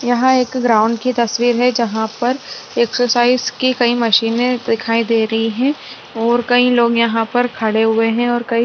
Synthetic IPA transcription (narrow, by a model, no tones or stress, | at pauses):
jɐɦãeːkɡɾaːʊ̃ɳɖkit̪ɐsʋiːɾɦɛd͡ʒɐɦãpɐɾ | eksəɾsaːɪzkikɐimɐʃiːnẽd̪ɪkʰaːid̪eːɾɐɦiɦɛ̃ː | ɔːɾkɐiloːɡjɐɦãpɐɾkʰɐɽeɦʊeɦɛ̃ɔːɾkɐi